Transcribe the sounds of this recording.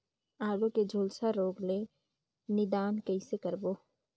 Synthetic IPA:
aːɡõked͡ʒʱoːlsaɾoːɡle | nɪd̪aːnkəisekəɾboː

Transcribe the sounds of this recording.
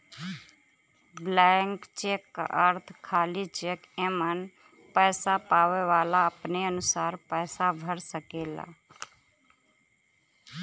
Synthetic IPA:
blɛŋkt͡ʃeːkːa̰ʔəɾt̪ʰkʰaːlit͡ʃeːkemən | pɛːsapaːʋeʋaːlaəpneənʊsaːɾpɛːsabʱəɾsəkeːla̰

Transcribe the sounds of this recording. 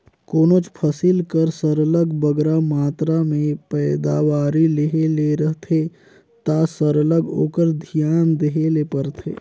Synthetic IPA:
koːnot͡ʃpʰəsilkəɾsəɾələɡbəɡɾamaːt̪ɾamẽpɛːd̪aːʋaːɾileɦeleɾəɦt̪ʰe | t̪asəɾələɡo̰ːkəɾd̪ʱijaːnd̪eɦelepəɾt̪ʰḛː

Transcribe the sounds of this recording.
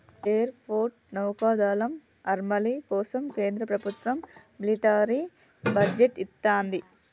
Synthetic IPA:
eːɐɾpʰoːɾʈnɐwkaːd̪aːlɐm | ɐɾmɐlikɔːsɐmkeːnd̪ɾɐpɾɐbʱut̪ʋɐmːiliʈaːɾi | bɐd͡ʒeʈit̪ːaːnd̪i

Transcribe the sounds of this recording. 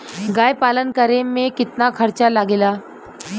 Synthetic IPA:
ɡajpalənkəɾemekit̪nakʰəɾt͡ɕalaɡela

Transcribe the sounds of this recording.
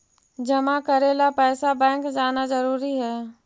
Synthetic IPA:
d͡ʒɐmakəɾeːlapɛːsabɛ̃ːŋkd͡ʒaːnazɐɾuːɾiɦɛː

